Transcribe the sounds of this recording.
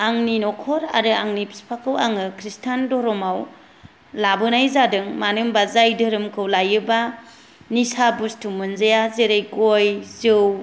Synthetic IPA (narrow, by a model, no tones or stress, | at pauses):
aŋninɔkʰɔɾa̰ɾɯaŋnipʰi̥spʰakʰɯwaŋɯkʰɾistʰandɔɾɔmaw | labɯnajzadɯŋmanɯmbazajdɯɾɯmkʰɯwlajɯba | nisabustʰumɯnzajazeɾejɡojzɯw